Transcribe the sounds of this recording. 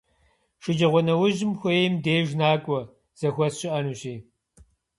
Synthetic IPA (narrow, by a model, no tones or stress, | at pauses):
ʂɨd͡ʒɐʁʷɔnɐwʊʑɪmxʷɔjmdeːʒnaːkʷʼɔ | z̥ɐxʷɔsɕɪʔɐnuːɕeː